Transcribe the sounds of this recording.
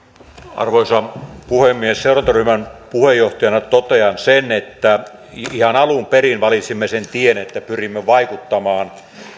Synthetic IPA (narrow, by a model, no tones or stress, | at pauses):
ɑ̰rʋoisɑpuhemːiesseurɑnt̪ɑryhmænpuhejjoht̪ɑjɑnɑt̪ot̪eɑnsenet̪ːæ | ihɑnɑlumperinʋɑlit̪simːesent̪ienet̪ːæpyrimːeʋɑikut̪ːɑmɑːn